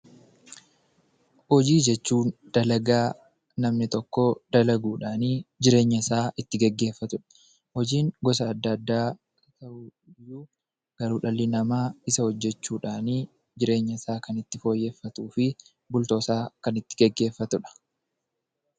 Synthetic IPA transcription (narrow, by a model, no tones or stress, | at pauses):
hɔd͡ʒiːd͡ʒɛt͡ʃːuːnd̪̥ɐlɐɡaː | nɐmnɪt̪ɔkːod̪̥ɐlɐɡuːᶑaːniːd͡ʒɪɾe̞ːɲːɐɪsaːʔɪt̪ːɪɡɛɡːe̞ːfːɐt̪ʊᶑɐ̥ | hɔd͡ʒiːŋɡɔs̬ɐːd̪ːɐd̪ːaː | kɐ̥t̪ɐʔu | juː | ɡ̥ɐɾuːᶑɐlːɪnɐmaːɪsɐhɔd͡ʒːɛt͡ʃːuːᶑaːniː | d͡ʒɪɾe̞ːɲːɐɪsaːkɐnɪt̪ːɪfo̞ːjːe̞ːfːɐt̪uːfɪ | bʊlt̪o̞ːsaːkɐnɪt̪ːɪ̥ɡɛɡːe̞ːfːɐt̪ʊᶑɐ̥